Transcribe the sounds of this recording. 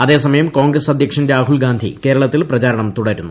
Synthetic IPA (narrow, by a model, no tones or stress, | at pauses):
ɐðe̞ːsɐmɐjɐmkoːŋɡɾɐsɐd̪ʱjɐkʂɐnɾaːɦulɡaːnd̪ʱḭke̞ːɾɐɭɐt̪ːilprɐt͡ɕaːɾɐɳɐmt̪uɽɐɾunːu